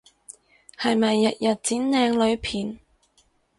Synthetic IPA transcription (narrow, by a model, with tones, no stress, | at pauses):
hɐ˨jmɐ˨jːɐ˨t̚jɐ˨t̚t͡siː˨˥nlɛː˨˧ŋlɵ˨˧ɥpʰiː˨˩n